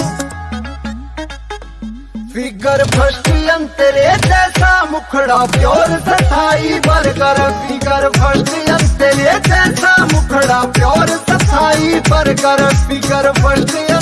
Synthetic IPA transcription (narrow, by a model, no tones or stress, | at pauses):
pɪkəɾpʰɐʃʈijɐnt̪eːɾeːt̪ɛːsaːmʊkʰɽaːpjoːɾsɐt̪ʰaːiːbɐɾɡɐɾpɪkəɾpʰɐʃʈɪjɐnt̪eːɾeːt̪ɛːsaːmʊkʰɽaːpjoːɾsɐt̪ʰaːiːbɐɾɡəɾpɪkəɾpʰɐʃʈijɐ